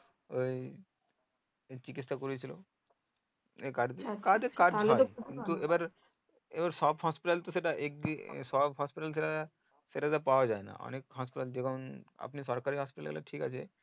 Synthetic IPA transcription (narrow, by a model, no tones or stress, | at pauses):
oj | t͡ɕikit̪ʃakoɾit͡ɕʰilo̰ | ekaɾkad͡ʑekaɾd͡ʑɦɔeint̪uebaɾ | ebaɾsɔbɦɔspiʈalt̪os̬eʈaʔek̚ḭsɔbɦɔspiʈals̬eʈa | seʈat̪apaoad͡ʑaena̰ɔ̰nekɦɔspiʈald͡ʑekʰona̰pnisɔɾkaɾiɦɔspiʈa̰lɛ̰la̰ʈʰikat͡ɕʰe